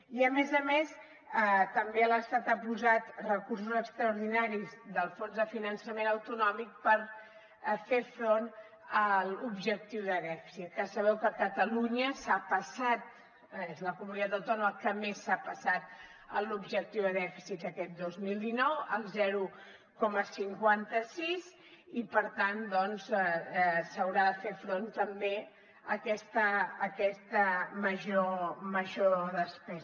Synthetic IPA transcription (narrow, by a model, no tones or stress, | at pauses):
iəmezəmes | ət̪əmbeələst̪at̪apuzat̪rəkursuzəkst̪ɾəuɾðinaɾizðəlˠfonzðəfinənsəmenəwt̪unɔmik̚pəɾ | fefɾon | əlubʒək̚t̪iwðəðɛfi̥sit̪̚kasəβ̞ɛwkəkət̪əluɲəsapəsat̪̚ | ezləkumunit̪at̪əwt̪ɔnuməkəmesːapəsat̪̚ | əlubʒək̚t̪iwðəðɛfi̥sit̪əkɛt̪̚d̪ozmilˠd̪inɔwəlˠzɛɾu | kɔməsiŋkwant̪əsiz | ipəɾt̪and̪ɔnz | səwɾaðəfefɾont̪əmbe | əkɛst̪əːkɛst̪əməʒoməʒoðəspɛz